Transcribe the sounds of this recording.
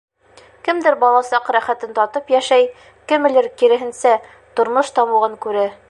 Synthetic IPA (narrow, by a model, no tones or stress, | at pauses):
kɘ̆md̪ɘɾbɒlˠɑsɑqɾæχæt̪ɘnt̪ɒt̪ɤpjæʃæj | kɘ̆mɘ̆lɘɾkiɾɘ̆ɦɘ̆nsæ | t̪ŏɾmɤʃt̪ɒmuʁɤŋkʉɾɘ